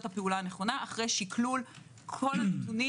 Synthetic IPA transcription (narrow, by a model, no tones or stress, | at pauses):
tapeulaaneχo̞naaχʁejʃikʰlul | kʰo̞lanetuni